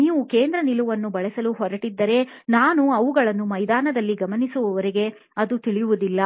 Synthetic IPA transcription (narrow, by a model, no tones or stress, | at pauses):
niːʋukeːnd̪ɾɐniluʋɐnːubɐɭɛsɐluɦɔɾɐʈid̪ːɐɾe̞ | naːnuɐʋuɡɐɭɐnːumɐjd̪aːnɐd̪ɐlːiɡɐmɐnisuʋɐʋɐɾeɡe̞ | ɐd̪ut̪iɭijuʋud̪ilːɐ